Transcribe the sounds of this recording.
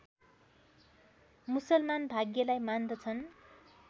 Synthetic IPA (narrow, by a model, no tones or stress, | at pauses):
musʌlmanbʱaɡjʌlajmand̪ʌt͡sʰʌn